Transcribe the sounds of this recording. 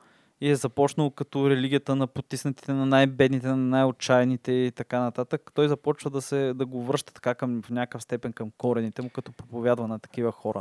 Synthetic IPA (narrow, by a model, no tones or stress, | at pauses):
iɛzɐpɔt͡ʃnəlˠokɐt̪oɾɛliɡʲijət̪ənɐpot̪ːisnət̪i̥t̪ɛnɐnajbɛd̪nit̪ɛnɐnajot͡ʃajnit̪ɛit̪ɐkanɐt̪at̪əkt̪ɔjzɐpɔt͡ʃvəd̪ɐsɛd̪ɐɡovɾɤʃt̪ət̪ɐ̥kakəmfnʲakəfst̪ɛpɛnkɐmkɔɾɛnit̪ɛmukɐt̪ɔpɾopovʲjad̪vɐnɐt̪ɐ̥k̟ivəxɔɾʔə̰